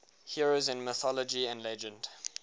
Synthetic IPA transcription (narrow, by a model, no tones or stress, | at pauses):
hiɹozɪ̃nməθɔləd͡ʒiə̃ndlɛd͡ʒə̃nd̥